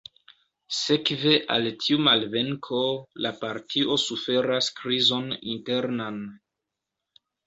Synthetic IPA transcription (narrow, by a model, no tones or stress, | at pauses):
se̞kve̞ʔa̰ltʰiumalve̞ŋkʰo̞lapaɾtʰiʔo̞sufe̞ɾaskɾizo̞nḭnte̞ɾnan